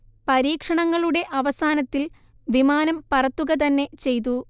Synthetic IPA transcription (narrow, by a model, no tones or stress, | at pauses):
pɐɾiːkʂɐɳɐŋːɐɭuɽe̞ʔɐʋɐsaːnɐt̪ːil | ʋimaːnɐmpɐrɐt̪ːuɣɐt̪̬ɐnːe̞t͡ɕe̞jt̪̬u